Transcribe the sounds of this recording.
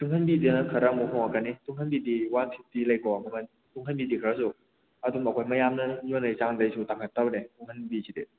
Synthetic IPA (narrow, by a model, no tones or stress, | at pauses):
tuŋɦʰɐnbidinɐkʰɐɾɐmuɦɔŋakanituŋhʰɐnbidiwantʰitilɐjkɔmɐmɐn | tuŋɦʰɐnbidikʰɐɾɐsu | ɐdumɐkʰojmɐjamnɐjonɐit͡ʃaŋdɐjsʰutaŋʰatɐbɾetuŋhʰɐnbisʰide